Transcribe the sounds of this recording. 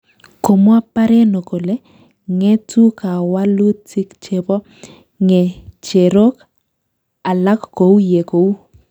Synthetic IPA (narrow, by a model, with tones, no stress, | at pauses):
ko˨mwa˦pa˦ɾe˦no˨ko˨le˦ | ŋe˦tu˦ka˨wa˦lu˦tɪ˦kt͡ʃe˨bɔ˦ | ŋe˨t͡ʃe˨ɾo˦k | a˨la˦kko˨u˦je˨ko˨u˦